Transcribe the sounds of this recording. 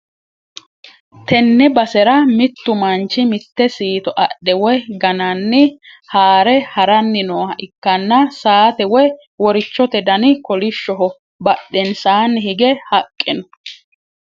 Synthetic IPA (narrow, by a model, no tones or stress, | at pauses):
t̪ɛnːɛbɐsɛɾɐmɪt̪ːʊmɐnt͡ʃːɪmɪt̪ːɛsiːt̪ɔʔɐɗɛwɔjɡɐnɐnːɪ | haːɾɛhɐɾɐnːɪnoːhɐʔɪkːɐnːɐsaːt̪ɛwɔj | wɔɾɪt͡ʃːɔt̪ɛd̪ɐnɪkɔlɪʃːɔɦɔ | bɐɗːɛnsaːnːɪhɪɡɛhɐkʼːɪnɔ